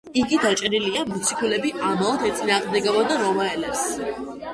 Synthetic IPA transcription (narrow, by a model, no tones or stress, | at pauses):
iɡid̪at͡ʃʼɛɾiliamusikʰulɛbiamaɔd̪ɛt̪sʼinaːʁmd̪ɛɡɛbɔd̪aɾɔvaɛlɛps